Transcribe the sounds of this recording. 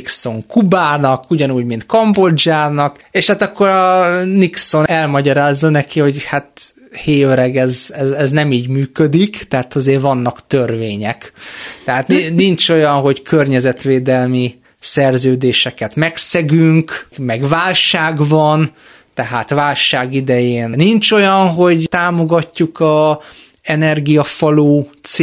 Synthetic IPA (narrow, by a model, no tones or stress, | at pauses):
ikso̞ŋkubaːnɒkuɟɒnuːɟmint̪̚kɒmbod͡ʒaːnɒk | eːʃhaːt̪ɒkːo̞ɾɒnikso̞nɛlmɒɟɒɾaːzːɒnɛkiho̞ɟhat̪ | heːøɾɛɡɛzɛzɛznɛmiːɟmyːkød̪ikt̪ɛɦaːt̪ɒzeːrvɒnːɒkt̪ørveːɲɛkt̪ɛɦaːt̪ninint͡ʃo̞jɒnɦo̞ɟkʰørɲɛzɛt̪ʋeːd̪ɛlmi | sɛrzøːd̪eːʃɛkɛt̪mɛksɛɡyŋkmɛɡʋaːlʃaːɡvɒn | t̪ɛɦaːt̪ʋaːlʃaːɡid̪ɛjeːnnint͡ʃo̞jɒnɦo̞ɟt̪aːmo̞ɡɒcːukɒ | ɛnɛrɡijɒfɒloːt̪s